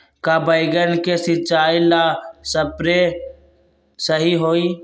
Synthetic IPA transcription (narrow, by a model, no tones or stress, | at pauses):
kabəɪɡənkesɪt͡ʃaːilasəpɾe | səɦiɦoːiː